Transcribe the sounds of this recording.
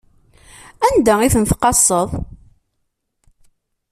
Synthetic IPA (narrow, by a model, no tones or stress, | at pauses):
ænd̪æiθənθqɑsˤːəðˤ